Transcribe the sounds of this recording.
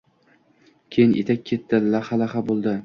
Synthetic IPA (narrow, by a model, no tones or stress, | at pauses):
kʲʰejɪnʔet̪ʰak̚ʲʰːe̞t̪ːɪlaχalaχabolˠd̪ɪ